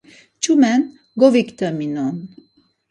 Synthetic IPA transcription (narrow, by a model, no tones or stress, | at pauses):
t͡ʃumɛn | ɡovikt̪əminon